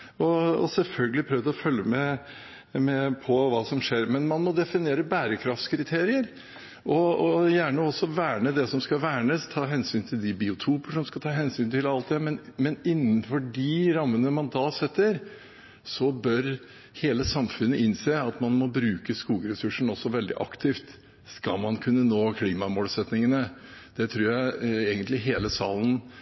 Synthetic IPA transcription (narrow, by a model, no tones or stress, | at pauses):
ɔɔ̰sɛlfœlɡəlɪpʰɾøːʋd̪əɔfœljːəmɛ | mɛpʰɔʋɑːsɔmʂeːɾmɛnmɑnmɔd̪ɛfɪneːɾəbæːɾəkʰɾɑft̪skʰɾɪt̪ʰeːɾɪəɾ | ʔɔɔjæːɳəɔsːɔʋæːɳəd̪ɛsɔmskɑʋæːɳəst̪ʰɑːɦɛnsyːnt̪ʰɪld̪ɪbɪʊt̪ʰuːpəʂɔmskɑt̪ʰɑːɦɛnsyːnt̪ʰɪlɑlt̪̚d̪ɛmɛnmɛnɪnːənfɔɖɪɾɑmːənəmɑnd̪ɑːsɛt̪ːəɾ | sɔbœɾ | heːləsɑmfʉnːəʔɪnseːɑt̪mɑnmɔbɾʉːkəskuːɡəɾɛsʉʂəɳ̩ɔsːɔʋɛld̪ɪ̰ʔɑ̰kt̪ʰɪːft̪ | skɑlmɑnkʰʉnːənoːkʰliːmɑmoːlsɛt̪nɪŋənəd̪̥ɛt̪ʰɾuːɾjæɪeːɡənt̪lɪɦeːləsɑ̰ːlən̩